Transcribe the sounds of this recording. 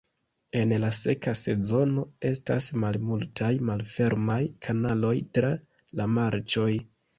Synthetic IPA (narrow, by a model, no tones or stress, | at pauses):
e̞nlase̞kase̞zo̞no̞e̞sta̰smalmultʰajmalfe̞ɾmajkʰanalo̞jtɾa | lamaɾt͡ʃo̞j